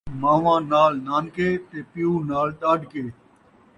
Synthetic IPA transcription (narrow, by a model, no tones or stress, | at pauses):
mãːʋãːnaːlnaːnkeːt̪eːpɪjuːnaːlɗ̪aːɖkeː